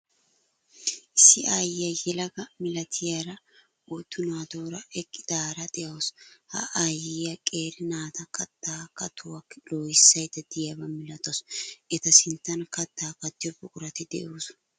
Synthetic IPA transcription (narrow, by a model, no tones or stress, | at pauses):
ʔɪsːɪʔaːjɪjɐjɛlɐɡɐmɪlɐt̪ʰɪjaɾɐ | ot̪ːʊnaːd̪oːɾɐɛkʼːɪd̪̥aːɾɐt̪ʼɛjɐwshɐ̰ʔajɪjɐkʼeːɾɪnaːt̪ɐkɐt̪ːaːkɐt̪ʰʊwɐkːloːjɪsːɐjd̪ɐd̪ɪjɐbɐmɪlɐt̪osʔɛt̪ɐsɪnt̪ːɐnkɐt̪ːaːkɐt̪ːɪjɔbʊkʼʊɾɐt̪ɪd̪ɛ̰ʔoːs